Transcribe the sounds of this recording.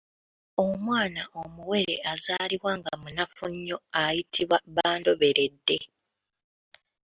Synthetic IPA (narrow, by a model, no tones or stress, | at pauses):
o̞mwaːnaʔomuwe̞ɾe̞̰azaːliβwaŋɡamunafuɲːo̞ajitʰiβwaβaːndo̞βe̞ɾe̞dːe̞